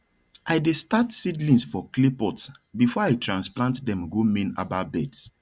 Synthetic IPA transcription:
ʔaɪdestatsidlĩnsfɔklepɔtsbifɔaɪtɹãnsplãntdɛ̃mɡomẽna̰babɛds

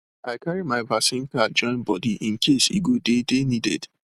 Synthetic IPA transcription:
aɪkaɹimaɪbasĩnkad͡ʒɔ̃ɪ̃nbɔdiʔĩnkʰesḭɡodedenidɛ̰d̥

